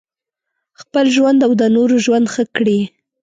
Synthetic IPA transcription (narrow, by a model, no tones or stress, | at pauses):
xpəlʒwand̪awd̪ənoɾoʒwand̪xəkɽi